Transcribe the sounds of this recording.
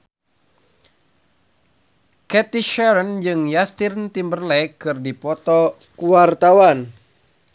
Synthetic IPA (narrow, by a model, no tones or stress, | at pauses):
kɛt̪iʃɛɾənd͡ʒɨŋjast̪irnt̪imbərlɛkɨrdipɔt̪ɔ | kuwart̪awan